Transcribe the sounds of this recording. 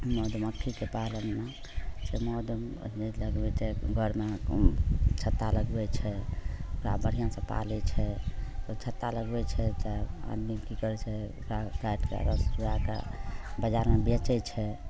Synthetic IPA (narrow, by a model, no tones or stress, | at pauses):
mɔːd̪məkʰːikepalənme | t͡ʃɛmɔd̪meləɡbɛt͡ʃɛɡʱəɾme | t͡ʃʰət̪ːaləɡbɛt͡ʃʰɛokɾa̰bəɾ̤ijãsə̃pa̰lɛt͡ʃʰɛt̪ɔt͡ʃʰət̪ːaləɡbɛt͡ʃʰɛt͡ʃaa̰d̪mikikəɾt͡ʃʰɛkapʰlaʈkḛɾəsɾaka̰bəd͡ʒaɾmebet͡ʃɛt͡ʃʰɛ